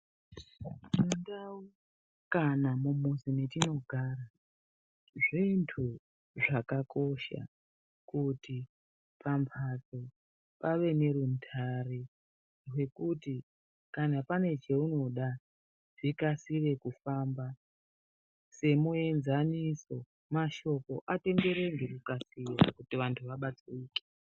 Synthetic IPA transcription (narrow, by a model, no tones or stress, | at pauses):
mundau | kanamumusinetino̞ɡʱaːɾa | ʐintʰu | ʐakako̞ʃa̰ | kuti | pampʰat͡so | paʋe̞ne̞ɾuntʰare | rwe̞kuti | kanapane̞t͡ʃeuno̞ɗa | ʐ̥ikasire̞kufaːmba | se̞mue̞nzaniso̞ | maʃo̞ko̞ʔate̞ŋɡe̞ɾe̞ŋɡe̞rukasirakutiʋantʰuʋaɓat͡sweiːke̥